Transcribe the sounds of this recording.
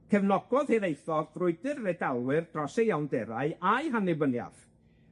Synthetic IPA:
kʰɛvnɔɡ̥ɔðheɾejθɔɡvrʊɨdɨrːɛdalˠwɨrd̥rɔsejawndɛɾa̰ɨajɦanɪbənja̰v̥

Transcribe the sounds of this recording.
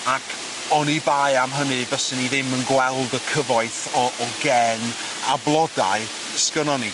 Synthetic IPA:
akʰ | ɔnibajamɦənɨvɔsəniðɪmənɡwɛlˠdəkʰəvɔɨθɔɔɡɛn | ablˠɔda̰ɨ | skənɔni

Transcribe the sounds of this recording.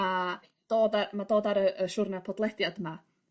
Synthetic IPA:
a | d̥oːdamadoːdaɾəʔəʃʊrnapʰɔdlˠɛdjadma

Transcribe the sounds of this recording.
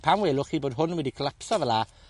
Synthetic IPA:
pʰamwɛlʊχiːboːdɦʊnwɛdikʰəlˠapsɔvɛla

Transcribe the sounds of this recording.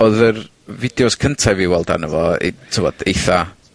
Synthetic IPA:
ɔðər | vɪdjɔskʰəntʰajviwɛlˠda̰nəvɔḭtʰɪvɔd̥ejθa

